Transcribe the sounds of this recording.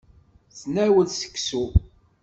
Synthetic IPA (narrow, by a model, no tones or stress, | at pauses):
snæwəlsə̥kːsu